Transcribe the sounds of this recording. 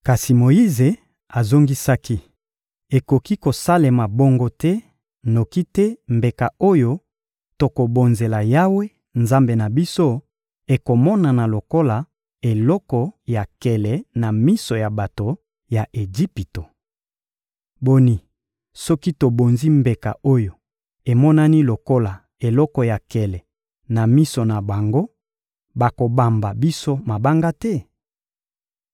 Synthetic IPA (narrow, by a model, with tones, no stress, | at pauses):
ka˨si˨mo˨i˦ze˨ | a˨zo˦ŋɡi˦sa˦ki˦ | e˨ko˨ki˦ko˨sa˦le˨ma˨bo˦ŋɡo˦tɛ˦ | no˨ki˦tɛ˦mbe˨ka˨o˦jo˦ | to˨ko˨bo˨nze˨la˨ja˦we˦ | nza˦mbe˨na˨bi˦so˦ | e˨ko˨mɔ˦na˨na˨lo˨ko˦la˨ | e˨lɔ˦kɔ˨ja˨kɛ˨lɛ˨na˨mi˦so˨ja˨ba˨to˨ | ja˨ʔe˨d͡ʒi˦pi˨to˨ | bo˦ni˨ | sɔ˦ki˦to˨bo˨nzi˦mbe˨ka̰˨ʔo˦jo˨ | e˨mɔ˦na˦ni˦lo˨ko˦la˨ | e˨lɔ˦kɔ˨ja˨kɛ˨lɛ˨ | na˨mi˦so˨na˨ba˨ŋɡo˦ | ba˨ko˨ba˨mba˨bi˦so˦ma˨ba˦ŋɡa˦tɛ˦